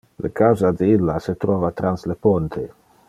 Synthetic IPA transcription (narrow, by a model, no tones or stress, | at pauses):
lḛkawzad̪eilːaset̪ɾɔːvat̪ɾanslepont̪ʰe